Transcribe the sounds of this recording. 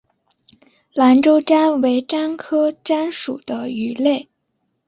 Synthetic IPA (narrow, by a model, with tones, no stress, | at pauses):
la˧˥nʈ͡ʂo˥ʊʈ͡ʂa˥nwe˧˥ɪʈ͡ʂa˥nkʰɤ˥ʈ͡ʂa˥nʂṵ˨˩d̪̥ə˦y˨˩le˥˩ɪ